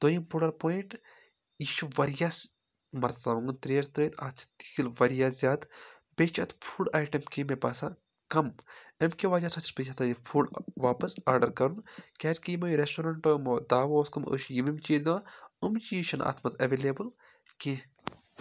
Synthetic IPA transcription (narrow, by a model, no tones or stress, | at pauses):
d̪̥oːjimpuɽɐlpoːjiɳʈ | iʃuʋɐɾjaːs | mɐɾt̪t̪aʋuŋɡɨnt̪ɾeːɾt̪ɾeːt̪ʰa̰̥ːt̪ikilʋɐɾjaːzʲjaːd̪ | bet͡ʃʰɐt̪ʰfʰuːɖaːjʈɐmkimebɐsa | kɐmemkeʋaːd͡ʒaːsɐt̪ʰi̥spet͡ʃʰɐt̪ʰɐːjipʰuːɖʋaːpɐsaːɾɖɐɾkɐɾunkʲaːt͡ʃkijimɐjɾesʈoːɾɐɳʈomoːd̪aːʋoːskɐmə̰ːʃjimimt͡ʃiːd̪ʋaumt͡ʃiʃɐna̰ːt̪ʰmɐt̪ʰɐʋeːleːbɨl | ke